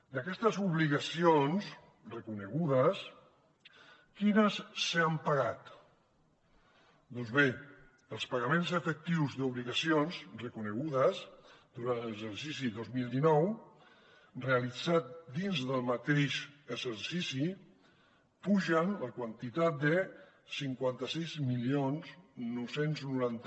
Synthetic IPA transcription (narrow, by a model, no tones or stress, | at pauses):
d̪əkɛst̪əzuβliɣəsions | rəkunəɣuðəs | kinəsːeampaɣat̪ | d̪ɔnzβe | əlˠspaɣamenzəfək̚t̪iwzðuβliɣəsionzrəkunəɣuðəzd̪uɾanləzəɾsis̬iðozmilˠd̪inɔw | reəlid͡zat̪̚d̪inzðəlˠmət̪eʃəzəɾsisi | puʒənləkwant̪it̪at̪̚d̪ə | siŋkwant̪əsizmilionznuwsenznuɾant̪